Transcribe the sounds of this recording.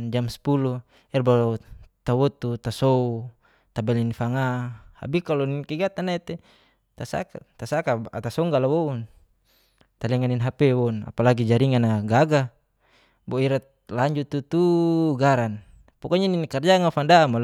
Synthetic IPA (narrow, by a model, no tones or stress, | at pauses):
nd͡ʒamspulu | ɛrbat̪awɔt̪ut̪asou | t̪abɛlinfaŋaha̰bikalɔninkɛɡat̪anait̪ɛ | t̪asa̰kat̪asakaat̪asɔŋɡalawɔun | t̪alɛŋaninɦapɛwɔuna̰palaɡid͡ʒaɾiŋanaɡaɡa | bɔiɾat̪ | laɲd͡ʒut̪ːut̪uɡaɾan | pɔkɔɲaninkard͡ʒaŋafandamal